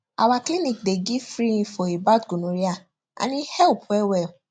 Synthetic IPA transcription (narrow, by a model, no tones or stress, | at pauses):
a̰waklinĩk̚deɡifɾĩĩfɔibatɡunũɾia | a̰nĩhɛpɛwɛ